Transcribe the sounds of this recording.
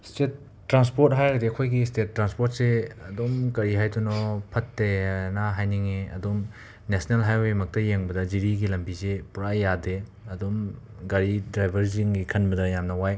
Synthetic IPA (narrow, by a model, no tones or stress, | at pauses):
stetː | ɾanspoɾt̚ɦajɡɐdiɐkʰojɡistet̚ːɾanspot̚seɐdomkɐɾiɦajtʰunɔpʰɐtːenaɦajniŋeɐ̰dom | nesnelɦajwejmɐk̚tɐjeŋbɐdɐziɾiɡilɐmbizepuɾajadeɐdom | ɡɐɾidɾajbʱɐɾziŋɡikʰɐnbɐdɐjamnɐwaj